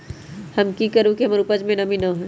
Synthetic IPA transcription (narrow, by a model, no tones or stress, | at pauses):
hɐmkikəɾũkiɦɐmɐɾupəd͡ʒmẽnɐminɐɦ